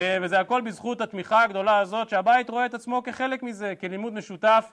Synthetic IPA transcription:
vezeako̞lbizχut̪hat̪miχaːɡd̪o̞laazo̞t̪ʃeabajit̪ʁo̞eːt̪at͡smo̞ke̞χelekmize̞kelimud̪meʃut̪af

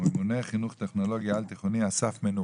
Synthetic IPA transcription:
muneχinuχt̪eχnoloɡjaalt̪iχoniasafmenu

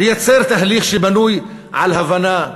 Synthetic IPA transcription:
jat͡sɛɾˤt̪aɦliːxʃibanuj | ʕa̰lhavana

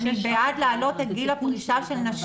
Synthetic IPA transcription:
bead̪lealo̞t̪et̪̚ɡilapɡiʃaʃelnɐʃ

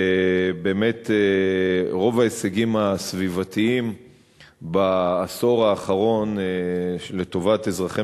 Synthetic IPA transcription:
ebe̞ːme̞te | ʁo̞vaeseɡimasvivat̪iim | baːso̞ʁaːχaʁo̞n | le̞t̪o̞vate̞zʁaχe

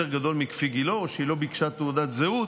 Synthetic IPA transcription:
eʁɡad̪o̞lmikfiɡiloʃeilo̞bikʃat̪eud̪at̪zeu

